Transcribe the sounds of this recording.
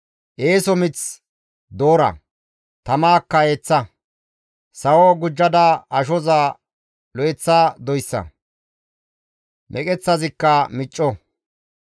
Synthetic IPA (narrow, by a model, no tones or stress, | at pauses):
ʔeːsɔmɪt͡s | d̪oːɾɐ̰ | t̪ɐmaːkːɐeːt͡sːɐ | sɐwɔɡʊd͡ʒːɐd̪ɐɐʃɔzaː | lɔɛt͡sːaːd̪ɔjsːɐ̰ | mʔɛkʼɛt͡sːɐzɪkːɐmɪt͡ʃʼːɔ